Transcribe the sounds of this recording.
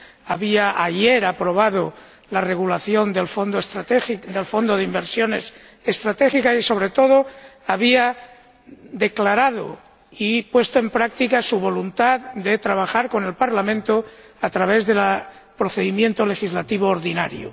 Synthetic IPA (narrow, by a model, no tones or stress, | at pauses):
aβiaʔajeɾapɾo̞β̞að̞o | lare̞ɣ̞ulaθjo̞nd̪elfond̪oest̪ɾat̪eid̪elfo̞nd̪oð̞eimbe̞ɾsjo̞ne̞s | est̪ɾat̪e̞xikasiso̞β̞ɾe̞t̪o̞ð̞oaβ̞ia | ðe̞klaɾaðo̰ | ipwe̞st̪oe̞mpɾak̚t̪ikasuβ̞o̞lunt̪aðd̪e̞t̪ɾaβ̞axaɾko̞ne̞lpaɾlamẽnt̪o | at̪ɾaβe̞zðe̞la | pɾo̞θe̞ðimje̞nt̪o̞le̞xizlat̪iβoːɾðina̰ɾjo̰